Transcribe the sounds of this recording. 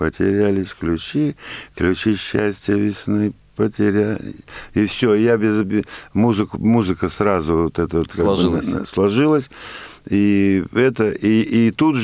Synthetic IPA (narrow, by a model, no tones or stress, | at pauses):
pətʲɪ̰ɾʲælʲɪsʲklʲʉt͡ɕiklʲʉt͡ɕiɕːæsʲtʲɪjəvʲɪsʲnɨ | pətʲɪɾʲælʲɪ̰ifsʲojabʲɪzbʲmuzɨkmuzɨkəsɾazʊvot̪ɛt̪əvot̪kaɡslˠɐʐɨlˠəsʲiɛt̪əʔiit̪ut̪